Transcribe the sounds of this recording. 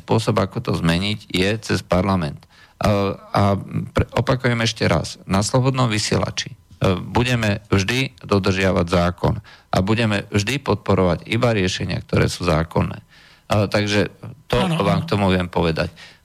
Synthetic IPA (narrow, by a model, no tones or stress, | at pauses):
spʊɔsɔbakɔt̪ɔzmɛɲiɟjɛt͡sɛspaɾlamɛnt̪ | apɾɛɔpakujɛmɛʃcɛɾa̰snaslɔbɔd̪nɔmʋisɪɛ̰la̰t͡ʃibuɟɛmɛvʒd̪id̪ɔd̪r̩ʒɪaʋaɟzaːkɔ̰nʔa̰buɟɛmɛvʒd̪ipɔt̪̚pɔɾɔʋaɟibaɾɪɛʃɛɲɪa̰k̚t̪ɔɾɛ̰ːsuːzaːkɔnːɛ̰ː | t̪aɡʒɛt̪ɔʋaːmk̚t̪ɔmuʋɪɛmpɔʋɛd̪a̰c